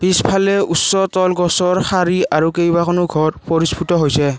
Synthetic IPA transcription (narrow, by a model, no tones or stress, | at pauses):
b̥ispʰalɛʔusːɔtɔlɡɔsɔɹxaɹiaɹukejbakʰɔnʊɡʱɔɹpɔɹispʰutɔɦojsɛ